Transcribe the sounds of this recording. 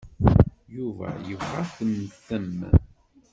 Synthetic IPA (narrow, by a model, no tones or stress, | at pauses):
juvæ̰jəvʁɑθəməθəmː